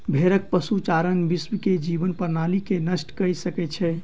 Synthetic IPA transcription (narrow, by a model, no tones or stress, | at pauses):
bʱeɾək̚pəsut͡ʃaɾənbismked͡ʒibənpəɾnalikenəsʈkəjsəkɛt͡ʃʰɛ